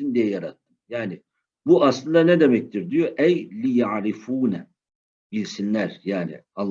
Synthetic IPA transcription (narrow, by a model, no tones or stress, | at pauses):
ind̪ijɛjaɾat̪ʰːɯmjaːnɪ | buʔaslˠɯnd̪anɛd̪e̞mɛc̚t̪ʰiɾd̪ijo̞ʔɛjlʲijaʕɾifuːnɛ | bilʲsinlʲæɾ̥jaːnɪ̰alˠː